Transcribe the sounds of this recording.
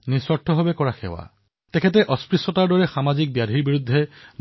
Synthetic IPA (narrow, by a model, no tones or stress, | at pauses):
nisɔɾʈʰːɔɦobekɔɹaxʰḛwa̰ | t̪ekʰet̬eʔɔspɹisɔtaɾdɔɹexamad͡ʒik̚bjad̪ʱiɾbiɾud̪ʱːe